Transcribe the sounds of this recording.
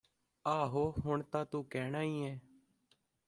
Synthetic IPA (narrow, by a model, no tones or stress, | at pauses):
aːɦoːɦʊɳt̪ãːt̪uːkɛːɳaːĩːɛː